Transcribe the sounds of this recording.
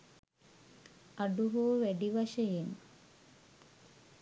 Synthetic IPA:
aɖuɦoːʋæɖiʋaʃɐjen

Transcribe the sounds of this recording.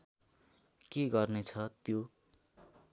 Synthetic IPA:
keɡʌrnet͡sʰʌt̪jo

